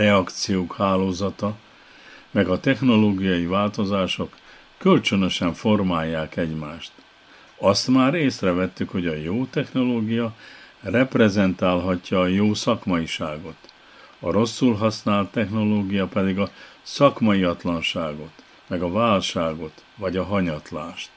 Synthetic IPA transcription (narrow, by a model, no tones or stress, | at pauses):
rɛɒkt̪sijoːkhaːloːzɒt̪ɒ | mɛɡɒt̪ɛxno̞loːɡijɒivaːlt̪o̞zaːʃo̞kː | ølt͡ʃønø̞ʃɛɱfo̞rmaːjːaːkɛɟmaːʃt̪ | ɒst̪maːɾeːsrɛvɛt̪ːykho̞ɟɒjoːt̪ɛxno̞loːɡijɒrɛprɛzɛnt̪aːlɦɒcːɒːjoːsɒkmɒiʃaːɡo̞t̪ | ɒɾo̞sːulɦɒsnaːlt̪ːɛxno̞loːɡijɒpɛd̪iɡɒsɒkmɒjiɒt̪lɒnʃaːɡo̞t̪ | mɛɡɒvaːlʃaːɡo̞t̪vɒɟɒɦɒɲɒt̪laːʃt̪